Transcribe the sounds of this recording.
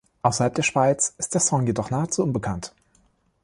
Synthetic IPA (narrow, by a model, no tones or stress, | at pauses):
ʔaʊsɐhalp̚d̥eːɐʃv̥aɪt͡sɪst̚d̥eːɐsɔŋjedɔχnaːət͡suʔʊnbəkʰant